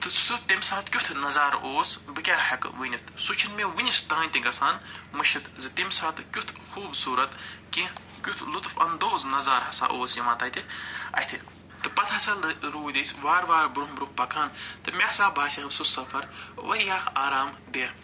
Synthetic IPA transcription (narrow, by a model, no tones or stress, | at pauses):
t̪ɨt͡sʰt̪ut̪imʲsaːt̪kʲut̪ʰnɐzaːɾoːsbɨkʲaːhɐkʋɨnʲit̪ʰsut͡ʃʰinmʲeʋɨnʲist̪ãːnʲt̪iŋɡɐsaːnmɨʃit̪zɨt̪imʲsaːt̪ɨkʲut̪ʰxuːbsuːɾɐt̪kĩ | kʲut̪ʰlut̪fɐ̰nd̪oːznɐzaːɾɦɐsa̰ːʔoːsjɐmaːt̪ɐt̪ʲiɐ̰t̪ʰi | t̪ɨpɐt̪ʰɐsɐlɾuːd̪isʲʋaːɾʋaːɾbɾuɦbɾuhpɐkʰaːnt̪ɨmʲesaːbaːsʲixɐbsusɐfɐɾʋɐɾjaːaːɾaːmd̪eː